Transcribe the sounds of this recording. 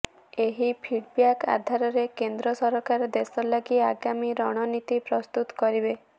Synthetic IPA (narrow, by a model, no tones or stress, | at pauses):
eɦipʰiɖbijaka̰d̪ʱaɾɔɾekend̪ɾɔsɔɾɔkaɾɔd̪esɔlaɡiaɡamiɾɔɽ̃ɔnit̪ipɾɔst̪ut̪ɔ̥kɔɾibe